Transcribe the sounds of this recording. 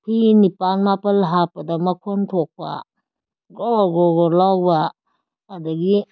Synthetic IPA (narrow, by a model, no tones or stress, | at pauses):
pʰinipanmapɐlɦapɐdamɐkʰontʰok̚pa̰ | ɡɔɡɔɡɔɾlawbaː | dɐɡi